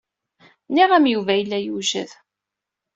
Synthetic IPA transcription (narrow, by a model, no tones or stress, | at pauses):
niʁæmjuvæjəlːæjuʒə̰ð